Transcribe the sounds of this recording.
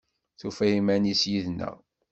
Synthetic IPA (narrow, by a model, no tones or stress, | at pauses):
θufæjimænisjiðnːə̰ʁ